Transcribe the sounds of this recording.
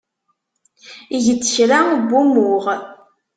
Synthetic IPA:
iʝət͡sːə̥çɾabːumʊʁ

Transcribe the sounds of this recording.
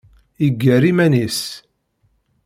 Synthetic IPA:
iɡːæɾimænis

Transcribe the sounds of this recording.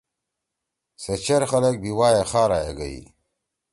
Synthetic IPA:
sɐt͡ɕʰɐɾxɐlɐk̚biwaːjexaːɾaːjḛɡɐḭ

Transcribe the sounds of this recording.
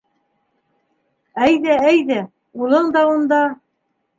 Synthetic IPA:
æjðææjðæ | ulˠɤɴd̪ɑund̪ɑ

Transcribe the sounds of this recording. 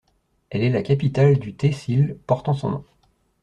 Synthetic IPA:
ɛlɛlakʲapit̪ald̪yt̪esilpɔʁt̪ɑ̃sɔ̰̃nɔ̰̃

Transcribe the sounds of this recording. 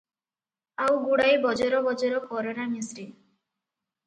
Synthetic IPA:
awɡuɽajbɔd͡ʒɔɾɔbɔd͡ʒɔɾɔkɔɾɔnamisɾi

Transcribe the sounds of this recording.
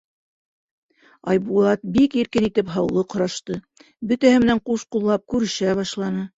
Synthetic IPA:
ɑjbulˠɑt̪̚bikiɾkɘnit̪ɘpɦɑwlˠɤqŏɾɑʃt̪ɤ | bɵ̆t̪æhɘmɘ̆næɴquʃqulˠːɑp̚kʉɾɘ̆ʃæβɑʃlˠɑnɤ

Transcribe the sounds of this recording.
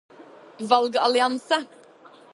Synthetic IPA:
ʋɑlɡɑlɪɑnsə

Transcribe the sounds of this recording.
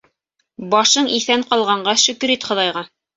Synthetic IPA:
bɑʃɤɴiθæɴqɑlˠʁɑɴɢɑʃɵ̆kɵ̆ɾit̪χŏðɑjʁɑ

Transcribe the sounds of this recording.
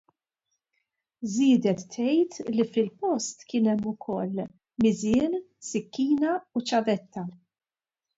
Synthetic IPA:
zɪːd̪ɛt̪ʰːɛjt̪lifɪlpɔst̪kɪːnɛmːʊkʰɔlː | mɪzɪːn | sɪkːiːnɐut͡ʃɐvɛt̪ːɐ

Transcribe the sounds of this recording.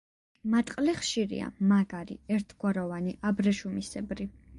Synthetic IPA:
mat̪ʼqʼlɛχʃiɾḭa̰maɡaɾḭɛɾt̪ʰɡwaɾɔvaniʔabɾɛʃumisɛbɾi

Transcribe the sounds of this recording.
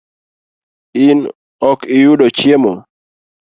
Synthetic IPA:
ɪn | ɔkɪjuɗɔt͡ʃjemɔ

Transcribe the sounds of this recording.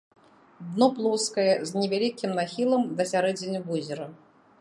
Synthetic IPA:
d̪nɔplˠɔskɐjɛzʲnʲɪvʲalʲikʲimnaxʲilˠɐmd̪ɐsʲaɾɛd͡zʲɪnʲubuzʲɪɾɐ

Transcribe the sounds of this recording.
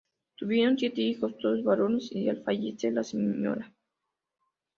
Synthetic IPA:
t̪uβjeɾonsjet̪eixost̪ozβaɾonesialfaʝet͡selasemɲo̰ɾa

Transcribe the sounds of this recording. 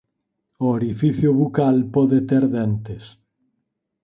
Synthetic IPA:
ʊeɾifiθjʊβukalpɔðet̪eɾðɛnt̪es

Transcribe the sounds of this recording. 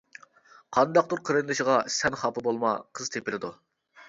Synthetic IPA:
qʰɑnd̪ɑq̚d̪uɾqʰəɾɨnd̪ɨʃiʁɑsɛnχɑpɨbolˠmɑqʰəz̥t̪ʰepɪlɪd̪u

